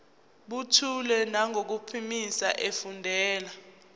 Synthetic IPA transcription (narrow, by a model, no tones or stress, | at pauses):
ɓutʰulɛnaŋʱok̬upʰimisa̰ʔefundʱɛːla